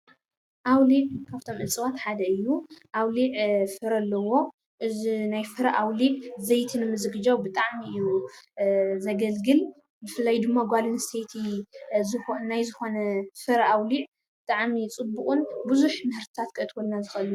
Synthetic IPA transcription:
ʔawliʕkʰaβt̪ʰo̞mʔɨt͡sʼɨwat̪ħad̪ɐɨjːuʔawliʕfɨɾɐlːɐwo̞ | ʔɨzinajfɨɾɐʔawliʕzɐjt̪ʰinɨmɨzɨɡɨd͡ʒawbɨt̪ʼaʕmiɨju | zɐɡɐlɡɨl | bɨfɨlːajd̪ɨmːaɡʷalɨnst̪ʰejt̪ʰiznajzɨxo̞nɐfɨɾʔawliʕ | bɨt̪ʼaʕmit͡sʼɨbːukʼunbɨzuħmɨhɨɾt̪ʰɨ̥t̪ʰat̪kʰɨʔt̪ʰwolnazɨxʔɨlnu

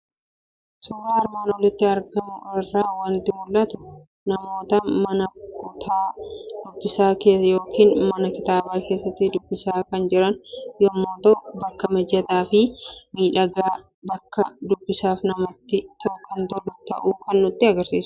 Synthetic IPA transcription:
sɔɾaːɐɾmaːnɔlɪt̪ːɪɐɾɡɐmʊɔrːaːwɐnt̪ɪmʊlːʔɐt̪ʊ̥ | nɐmo̞ːt̪ɐmɐnɐkʊt̪ʰaːd̪̥ʊbːɪsaːkeːjo̞ːkiːnmɐnɐkɪt̪aːbaːke̞ːsːɐt̪ːɪd̪ʊbːɪsaːkɐnd͡ʒɪɾɐnjoːmːoːt̪ɐʊbɐkːɐmɛd͡ʒɐt̪aːfɪmiːᶑɐɡaː | bɐkːɐd̪ʊbːɪsaːfnɐmɐt̪ːɪt̪oːkːɐnt̪ɔlːʊt̪ɐ̰ʔuːkɐnːʊt̪ːɪɐɡɐɾsiːsʊ̥

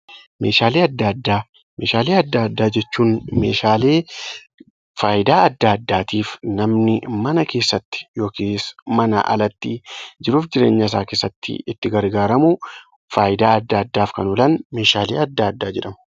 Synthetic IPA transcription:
me̞ːʃaːleːɐd̪ːaɐd̪ːaː | meːʃaːleːɐd̪ːaːɐd̪ːaːd͡ʒɛt͡ʃːuːnmeːʃaːleː | faːjɪd̪aːɐd̪ːaːɐd̪ːaːt̪iːfnɐmnɪmɐnɐke̞ːsːɐt̪ːɪ̥jo̞ːkiːsmɐnɐ̰ʔɐ̰lɐt̪ːid͡ʒɪɾuːfd͡ʒɪɾe̞ːɲːɐs̬aːke̞ːsːɐt̪ːɪ̰ɪt̪ːɪɡɐɾɡaːɾɐmʊ | faːjɪd̪aːɐd̪ːaːɐd̪ːaːfkɐnʊlɐnme̞ːʃaːlḛːɐd̪ːaːɐd̪ːaːd͡ʒɛᶑɐmʊ

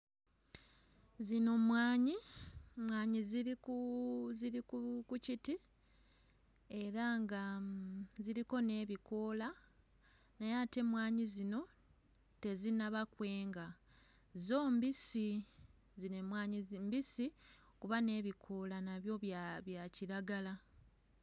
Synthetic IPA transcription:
zino̞mwaːɲimwaːɲiziɾikuziɾikukuciti | e̞ɾaŋɡa | ziɾiko̞ne̞ːβiko̞la | najate̞mwaːɲizino̞ | te̞zinaβakwe̞ːŋɡa | zo̞ːmbisi | zinemwaːɲizimbisi | kuβane̞ːβikʰo̞lanaβjo̞βjβjaciɾaɡala

